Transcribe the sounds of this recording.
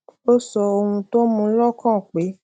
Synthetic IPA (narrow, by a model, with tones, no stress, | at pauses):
o˦sɔ˧o˧wũ˧to˦mũ˧˦lɔ˦kã˦˨k͡pe˨˦